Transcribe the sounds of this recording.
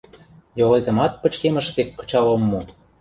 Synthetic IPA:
jolet̪ə̆mɑt̪̚pə̆t͡ɕkemə̆ʃt̪ekːɤ̥̆t͡ɕɑlomːo

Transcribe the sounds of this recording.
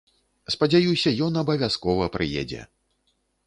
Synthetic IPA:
spɐd͡zʲajusʲɐjɔnɐbɐvʲaskɔvɐpɾʔɨjɛ̰d͡zʲɛ̰

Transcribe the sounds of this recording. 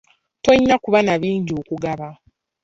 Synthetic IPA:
to̞ɲːakuβanaβiːɲɟo̞ːkuɡaβa

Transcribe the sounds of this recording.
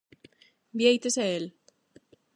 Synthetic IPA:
bjejt̪eseel

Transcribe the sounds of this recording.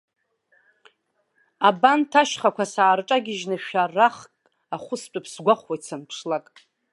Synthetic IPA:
abantʰaʃχakʷasaːrʈ͡ʂʼaɡʲɪʒnɨʃᶣaraχkʼ | aχʷʊst͡pʷʼapʰsɡʷaχʷwajt͡sʰanpʰʂlakʼ

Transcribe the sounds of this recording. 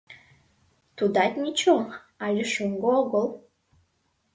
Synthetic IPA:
t̪ud̪ɑt̪ʲnʲit͡ɕo | ɑlʲeʃuŋɡooɣəlˠ

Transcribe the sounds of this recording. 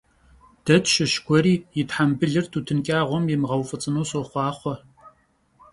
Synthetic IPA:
d̥ɐtʰʃɪʃkʷʰɔɾiːjɪtħambɨɮɨrtʰuːtʰɨnkʲʼaːʁʷɔmjɪmʁɐwfʼɨt͡sʼɨnoːsoχʷɑːχʷɔ

